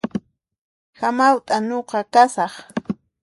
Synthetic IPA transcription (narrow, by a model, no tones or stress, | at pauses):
xamawt̪ʼaɲoqɑkasɑχ